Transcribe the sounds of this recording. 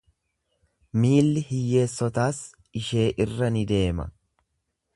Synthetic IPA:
miːlːɪhɪjːe̞ːsːɔt̪aːs | ɪʃe̞ːʔɪrːɐnɪd̪e̞ːmɐ̰

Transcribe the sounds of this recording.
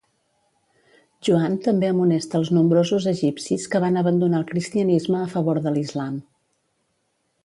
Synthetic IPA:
ʒuant̪əmbeəmunɛst̪əːlˠznumbɾozuzəʒipsiskəβanəβənd̪unaːlˠkɾist̪iənizməːfəβ̞oɾðəlizlam

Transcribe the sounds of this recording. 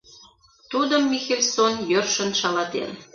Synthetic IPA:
t̪ud̪əmːixelʲsonjørʃə̆nʃɑlɑt̪ḛn

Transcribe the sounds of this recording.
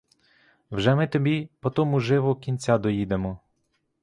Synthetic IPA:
wʒɛmɪt̪ɔbʲipɔt̪ɔmʊʒɪʋɔkʲinʲt͡sʲad̪ɔjid̪emɔ

